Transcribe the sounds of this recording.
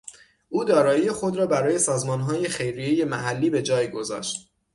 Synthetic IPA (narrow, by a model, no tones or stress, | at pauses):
ʔuːd̪ɒːɾɒːjiːjexo̞d̪ɾɒːbæɾɒːje̞sɒːzmɒːnɦɒːje̞xe̞jɾijeje̞mæɦælːiːbe̞d͡ʒɒːjɡo̞zɒ̰ːʃt̪̚